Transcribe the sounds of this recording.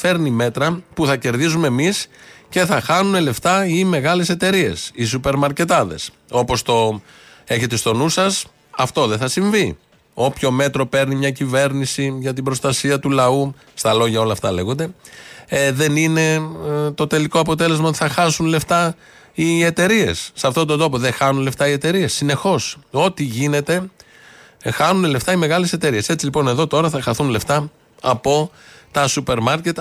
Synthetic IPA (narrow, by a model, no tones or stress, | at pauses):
fe̞ɾnime̞t̪ɾɐpuθɐce̞ɾðizumemisce̞θɐxɐnune̞le̞ft̪ɐime̞ɣɐle̞se̞t̪e̞ɾie̞̰sisupe̞ɾmɐɾce̞t̪ɐðe̞s | o̞po̞st̪o̞ | e̞çe̞t̪st̪o̞nusɐs | ɐft̪o̞ðe̞θɐsiɱvi | o̞pço̞me̞t̪ɾo̞pe̞ɾnimɲɐcive̞ɾnisiʝɐt̪ibɾo̞st̪ɐsiɐt̪ulɐu | st̪ɐlo̞ʝɐo̞lɐft̪ɐle̞ɣond̪e̞ | ðe̞nine̞t̪o̞t̪e̞liko̞ɐpo̞t̪e̞le̞zmɐo̞t̪i̥θɐxɐsunle̞ft̪ɐ | ie̞t̪e̞ɾie̞̰sːɐft̪o̞t̪ond̪o̞po̞ðe̞xɐnunle̞ft̪ɐie̞t̪e̞ɾie̞sːine̞xo̞so̞t̪iʝine̞t̪e̞ | xɐnunele̞ft̪ɐime̞ɣɐle̞se̞t̪e̞ɾie̞se̞t͡silipo̞ne̞ðo̞t̪o̞ɾɐθɐxɐθunle̞ft̪ɐ | ɐpo̞t̪ɐsupe̞ɾmɐɾce̞t̪